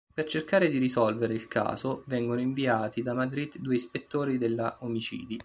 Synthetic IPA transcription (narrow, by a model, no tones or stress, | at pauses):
pert͡ʃerkaːɾed̪iɾisɔlveɾeilkʰa̰ːzovɛŋɡonoiɱviaːt̪id̪amad̪ɾid̪ːuːeispet̪ːoːɾid̪elːaʔomit͡ʃḭːd̪i